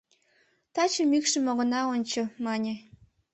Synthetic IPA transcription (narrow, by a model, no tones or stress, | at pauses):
t̪ɑt͡ɕəmykʃə̆moɣə̆nɑonʲt͡ɕə̆mɑnʲe